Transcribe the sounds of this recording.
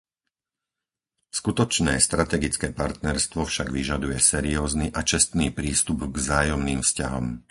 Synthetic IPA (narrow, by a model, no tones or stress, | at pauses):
skut̪ɔt͡ʃnɛːst̪ɾat̪ɛɡit͡skɛːpaɾt̪nɛɾst̪ʋɔfʃaɡʋiʒad̪ujɛsɛɾiɔːzniʔat͡ʃɛst̪niːpɾiːst̪ubɡvzaːjɔmniːmfscaɦɔ̰m